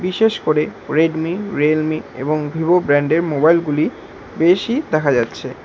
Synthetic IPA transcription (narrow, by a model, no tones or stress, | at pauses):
biʃeʃkoɾeɾeɖmiɾelmiḛboŋbʱibobɾɛɳɖeɾmobajlɡuli | beʃid̪ɛkʰad͡ʑatːɕʰe